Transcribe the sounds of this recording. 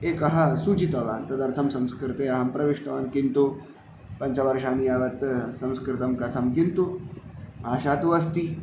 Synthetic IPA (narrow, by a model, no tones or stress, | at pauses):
ekɐɦasut͡ɕit̪ɐʋa̰nt̪ɐd̪ɐɾt̪ʰɐmsɐ̃mskɾit̪eɐɦampɾəʋeʂt̪ɐʋa̰nkint̪o | pəɲt͡ɕaʋəɾʂanijaʋət̪sɐ̃mskɾit̪ɐmkɐt̪ʰamkint̪o | aɕat̪uəst̪i